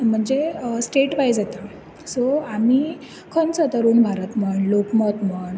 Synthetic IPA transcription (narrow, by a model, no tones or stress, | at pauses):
m̤əɳd͡zesʈeʈʋajd͡zet̪a | soami | kʰənt͡sət̪əɾuːnbʱaɾət̪məɳlokmɔt̪məɳ